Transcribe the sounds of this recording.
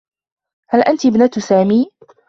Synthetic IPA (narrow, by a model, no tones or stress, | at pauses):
halʔant̪ibnat̪saːmiː